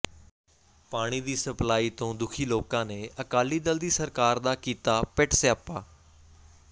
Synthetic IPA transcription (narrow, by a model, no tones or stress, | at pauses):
paːɽ̃iːd̪iːsəplaːiːt̪õːd̪ʊkʰiːloːkãːneːəkaːliːd̪əld̪iːsəɾkaːɾd̪aːkiːt̪aːpɪʈsaːpaː